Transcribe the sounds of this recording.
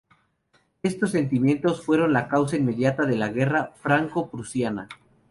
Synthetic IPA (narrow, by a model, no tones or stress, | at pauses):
e̞st̪o̞s̬ːe̞nt̪imje̞nt̪o̞sfwe̞ɾo̞nlakaws̬ainme̞ðjat̪aðe̞laɣe̞rafɾaŋko̞pɾusjana̰